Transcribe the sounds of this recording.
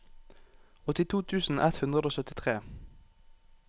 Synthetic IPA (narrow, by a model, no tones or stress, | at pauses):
ɔt̪ɪt̪ʰuːt̪ʰʉːsn̩ʔɛt̪hʉnd̪ʁəd̪oːsœt̪ɪt̪ʰʁeː